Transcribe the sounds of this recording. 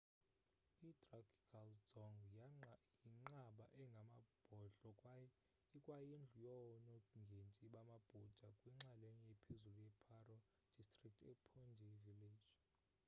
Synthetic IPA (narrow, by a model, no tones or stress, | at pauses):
itʼrakʰʼi̥kʰalz̥ɔŋɡ | jiŋ͡ǃaɓa̰ʔɛŋɡʱamab̥ʱɔɬʼɔ | kʼwajend͡ɮʱujɔnɔŋɡʱent͡ʃʼiɓamab̥ʱud̥ʒ̥ʱakʼwiŋ͡ǁalenijɛpʰezulujɛpʰarɔ | d̥ʱistʼrik̚tʰɛpʰɔnd͡ʒʱɛviled̥ʒ̥